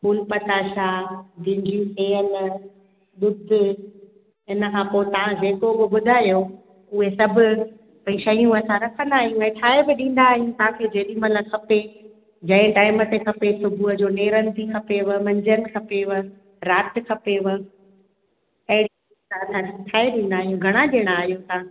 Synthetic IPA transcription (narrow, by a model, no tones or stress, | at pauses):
kʊlpɐt̪aːʃaːɡɪ̃ɲd͡ʑiseːəl | ɗʊd̪ʱe | ɦɪnəkʰãːpoːɪt̪ɐʋ̤ãd͡ʑeːkobɪɓʊd̪ʱaːijo | ʊɦesɐbʱʊ̆ | pɐĩʃɐijũɐsãɾɐkʰə̃nd̪aːɦijũaɦẽt̪ʰaːɦebɪɗĩːn̆d̪aːɦijũt̪ɐʋãkʰed͡ʑeːɗimɐləkʰɐpe | d͡ʑɐ̃ɪ̃ʈaːɪmət̪ekʰɐpesʊbʱuɦəd͡ʑoːneːɾə̃nd̪ʱikʰɐpeʋəmɐ̃ɲd͡ʑənɪ̆kʰɐpeʋə | ɾaːt̪ɪkʰɐpeʋ | ɐɦɪɽi | aɐsʰãkʰiʈ̪ʰaːeɗĩːn̆d̪aːɦijũɡʱɐɽ̃ãɗeːɽ̃aːɦijũt̪aã